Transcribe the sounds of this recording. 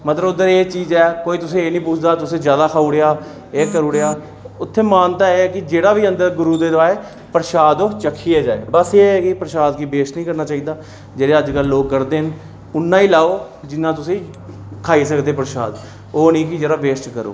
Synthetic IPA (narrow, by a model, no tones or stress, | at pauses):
mət̪ləbʊd̪əɾeːt͡ʃiːzɛːkoːiːt̪ʊsẽːeːnĩːpʊt͡ʃʰd̪aːt̪ʊsẽːzjaːd̪aːkʰaːuːɽeaː | eːkəɾuːɽejaː | ʊt̪ʰːeːmaːnt̪aːeːɛːkɪd͡ʒeːɽaːʋiːənd̪əɾɡʊɾuːd̪eːd̪aːeː | pəɾʃaːd̪oːt͡ʃəkʰːiːeːd͡ʒaːḛːbəseɛːkɪpəɾʃaːd̪kiːbeːʃnĩːkəɾnaːt͡ʃaːiːd̪aː | d͡ʒeːɽeːəd͡ʒɡəlːoːk̚ːəɾd̪eːn | ʊnːãːiːlaːoː | d͡ʒɪnːãːt̪ʊsĩː | kʰaːiːsəkd̪eːpəɾʃa̰ːd̪ | oːnĩːkɪd͡ʒeːɽaːʋeːsʈkəɾo̰ː